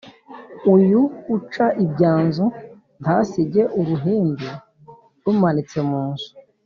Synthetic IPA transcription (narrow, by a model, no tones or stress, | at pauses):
ujuːt͡ʃaʔibɟaːnzu | ntʰasiɟe̞ʔuɾuɦiːndu | ɾumanit͡semuːnsu̥